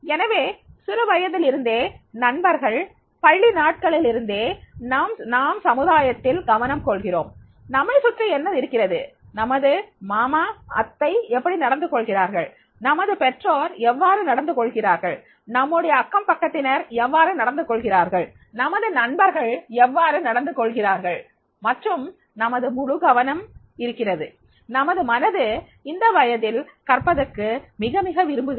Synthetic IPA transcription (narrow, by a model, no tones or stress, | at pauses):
ɛnɐʋeːsʊɾɯʋɐjɐðɪlɪɾɯnd̪eːnɐɳbɐɾɣɐɭ | pɐɭːinaːʈ̚kɐɭɪlɪɾɯnd̪eːnaːmnaːmsɐmɯðaːjɐt̪ːɪlɡɐʋɐnɐmkɔɭɣɪro̰ːm | nɐmɐɪsʊʈrɐɛnːɐðɪɾɯkːɪrɐðɯ | nɐmɐðɯmaːmaːɐ̰t̪ːɐɪɛpːɐɽinɐɽɐnd̪ɯkɔɭɣɪraːɾɣɐɭ | nɐmɐðɯpɛʈroːɾɛʋːaːɾɯnɐɽɐnd̪ɯkɔɭɣɪraːɾɣɐɭ | nɐmːɯɽɐjɐːkːɐmpɐkːɐt̪ːɪnɐɾɛʋːaːɾɯnɐɽɐnd̪ɯkːɔɭɣɪraːɾɣɐɭ | nɐmɐðɯnɐɳbɐɾɣɐɭɛʋːaːɾɯnɐɽɐnd̪ɯkɔɭɣɪraːɾɣɐɭ | mɐʈrɯm | nɐmɐðɯmʊɻʊɡɐʋɐnɐm | ɪɾɯkːɪrɐðɯ | nɐmɐðɯmɐnɐðɯ | ɪnd̪ɐʋɐjɐðɪlkɐɾpɐðɐkːɯmɪɣɐmɪɣɐʋɪɾɯmbɯɣ